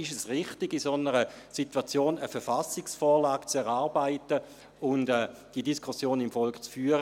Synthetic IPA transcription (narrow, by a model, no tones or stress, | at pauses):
ɪʃəsʁɪχtɪɡisonəʁə | sitwat͡sjoːnəfɛɐfasɪksfɔːʁlaːɡt͡sɛʁaːʁbaɪtə | ʊndɛːd̥iədiskʰʊsjoːnɪmfɔlkχt͡sfyːɐʁə